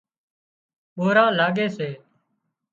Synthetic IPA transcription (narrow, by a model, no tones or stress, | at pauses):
ɓoːɾaːlaːɡeːseː